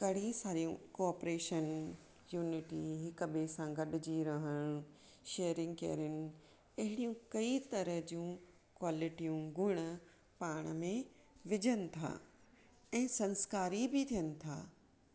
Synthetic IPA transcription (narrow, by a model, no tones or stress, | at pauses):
kɐɽ̤isaːɾijũkoɔːpɾeːʃən | juːnɪʈiɦɪkbesãɡɐɗʊd͡ʑiɾɐɦəɽ̃ | ʃeːɾɪ̃ŋɡkḛːɾɪnɪ̆ | ɐɦɪɽijũkɐit̪ɐɾəɦd͡ʑũ | kwaːlɪʈijũɡʱʊɽ̃ə̆ | paːɽ̃mẽ | ʋɪd͡ʑʱənɪ̆t̪ʰa̰ː | ɛ̃ːsɐ̃nskaːɾibɪt̪ʰijənɪ̆t̪ʰa̰ː